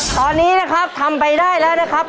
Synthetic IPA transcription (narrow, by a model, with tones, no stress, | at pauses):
t̪ɔː˧nːiː˦˥na˦˥kʰa˦˥p̚t̪ʰa˧mpa˧jdaː˥˩jlɛː˦˥wna˦˥kʰa˦˥p̚